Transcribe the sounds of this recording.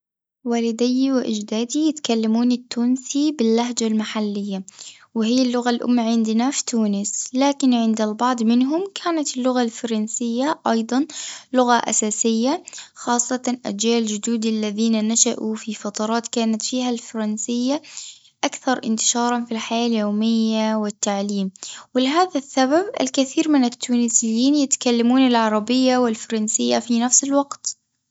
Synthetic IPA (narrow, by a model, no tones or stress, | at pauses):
waːlɪd̪ɪjːwɪʔɪd͡ʒd̪aːd̪ijɪt̪kalːamuːnɪt̪ːuːnsibɪlːaɦd͡ʒalmaħalːɪjːa | wɪhijːlːʊɣalʔʊ̰mːaʕɪnd̪ɪnafi̥t̪uːnɪslaːkɪnʕɪnd̪albɑʕd̪ˤmɪnɦʊmkʰaːnat̪ɪlːʊɣalfɑɾˤɑnsɪjːaʔɑjd̪ˤɑnlʊɣaʔa̰saːsɪjːaxɑːsˤːɑʔa̰d͡ʒaːld͡ʒʊd̪uːd̪alːaðiːnanaʃa̰ʔufifɑt̪ˤɑɾˤɑːt̪kaːnat̪fiːɦalfɑɾˤɑnsɪjːa | ʔakθɑɾˤʔɪnt̪ɪ̥ʃɑːɾˤɑnfilħajaːljoːmɪjːawɪt̪ːaʕliːmwɪlɪɦaːðasːababʔɪ̰lkɪθiːɾmɪnɪt̪ʰːuːnɪsɪjːiːnjɪt̪kalːamuːnɪlʕɑɾˤɑbɪjːawɪlfɑɾˤɑnsɪjːafinafsɪlwɑɡt̪